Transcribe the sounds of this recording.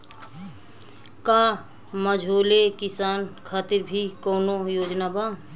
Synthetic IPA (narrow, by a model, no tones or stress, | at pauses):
kaː | məd͡ʒʱoːlekɪsaːnkʰaːt̪iɾbʱikoːnojoːd͡ʒnaba